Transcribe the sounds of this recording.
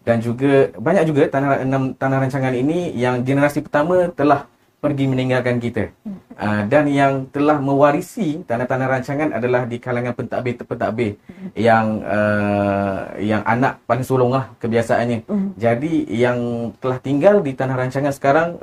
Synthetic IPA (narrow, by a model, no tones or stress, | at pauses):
dand͡ʒuɡabaɲak̚d͡ʒuɡat̪anahənamt̪anahɾaɲt͡ʃaŋaninijaŋd͡ʒənəɾasipərt̪amə̃t̪əlah | pərɡiməniŋɡalkank̬it̪aʔədanjaŋt̪əlahmə̃waɾisit̪anaht̪anahɾaɲt͡ʃaŋana̰dalahdikalaŋãnpənt̪abɪpənt̪a̰ʔbɪjaŋə | jaŋʔa̰na̰ʔpalɪŋsolɔŋlahkəbiasaʔanɲãd͡ʒadijaŋt̪əlaht̪iŋɡaldit̪anahɾaɲt͡ʃaŋansə̥kaɾaŋ